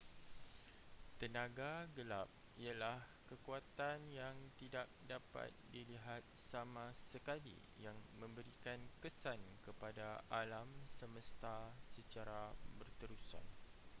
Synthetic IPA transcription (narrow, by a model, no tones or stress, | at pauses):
t̪ənãɡaɡəlap̚ | ialah | kəkuat̪anjaŋt̪idak̚dapa̰t̪̚diliɦat̪̚samãsəkalḭ | jaŋmə̃mbəɾikankəsankəpadaalamsəməst̪asət͡ʃaɾabərt̪əɾusa̰n